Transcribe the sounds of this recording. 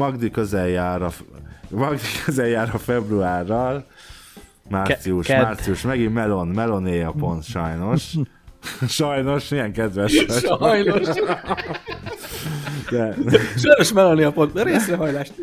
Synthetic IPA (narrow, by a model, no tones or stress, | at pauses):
mɒɡd̪ikøzɛjːaːɾɒmɒɡd̪ikʰøzɛjːaːɾɒfɛbruaːrːɒl | maːrt̪siuʃaːrt̪siuʃmɛɡimmɛlo̞nmɛlo̞nejɒpo̞nt̪ʃɒjno̞ʃ | ʃɒjno̞ʃijɛŋkɛd̪ʋɛʃɒjjno | d̪ɛʃɔjnoʃmɛlonejɒpont̪ɾeːsrɛɦɒjlaːʃt̪